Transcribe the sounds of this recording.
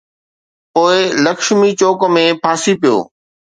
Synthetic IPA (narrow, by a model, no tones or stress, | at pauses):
poːɪlɐkʃmit͡ɕoːkə̆mẽpʰaːsipijo̰ː